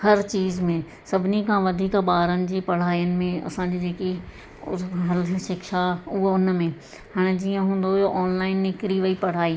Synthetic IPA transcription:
hɐɾt͡ɕiːzmẽ | sɐbʱɪnikʰãʋɐd̪ʱiːkɓaːɾənɪ̆d͡ʑiːpɐɽ̤aːijənɪ̆mẽɐ̰sãɲd͡ʑiːd͡ʑeːki | ɦɐlʃɪkʃaʊɦoʊnmẽ | haːɽ̃d͡ʑiːə̃ɦũːn̆d̪ojoʔɔːnlaːɪnːɪkɾiʋɐipɐɽ̤aːiː

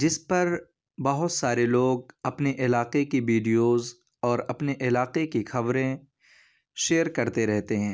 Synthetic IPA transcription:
d͡ʒɪspɐɾ | bɐɦʊt̪saːɾeloːɡ̚ɐpneʔɪlaːqekiʋiːɖijoːz | ɔːɾɐpneʔɪlaːqekixɐʋɾẽ | ʃeːəɾkɐɾt̪eɾɛɦt̪eɦɛ̃ː

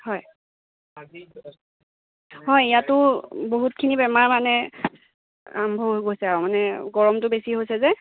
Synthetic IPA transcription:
hɔj | ɦɔjijatʊboɦut̚kʰinibɛmaɹmanɛ | ambʱɔɦoɡojsɛamanɛɡɔɹɔmtʊbesiɦojsɛzɛ

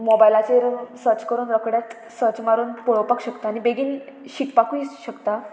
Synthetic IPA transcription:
mɔbajlat͡ɕeɾsəɾt͡ɕkəɾuːnɾəkɽjat̪ | səɾt͡ɕmaɾuːnpɔɭopakɕəkt̪aːnibeɡiːnɕikpakuisɕəkt̪a

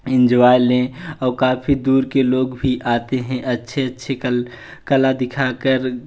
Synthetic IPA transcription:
ɪ̃nd͡ʒʋaːjlẽɔːɾkaːpʰid̪uːɾkeloːɡbʱiʔaːt̪eɦɛ̃ʔɐtːʃʰeətːʃʰe | kəlad̪ɪkʰaːkəɾ

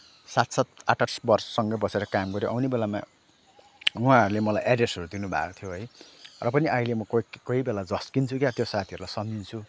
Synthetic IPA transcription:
sat̪sat̪̚a̰ʈarsbʌrsʌ̥sʌŋɡʌbʌseɾʌkamɡʌɾjoʔawnebelama̰ | uɦãɦʌɾulemʌlajʔaɖresɦʌɾud̪inubʱa̰kot̪ʰijoɦʌjrʌpʌniʔailemʌkkʌibelad͡zʌskint͡sʰukjat̪josat̪ʰiʌɾulajsʌndint͡sʰu

